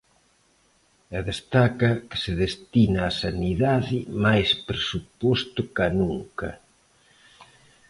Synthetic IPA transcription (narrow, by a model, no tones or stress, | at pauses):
eðest̪akɐkɪ̥sɪðest̪inaːsaniðaðɪmajspɾesupost̪ʊkanuŋkɐ̰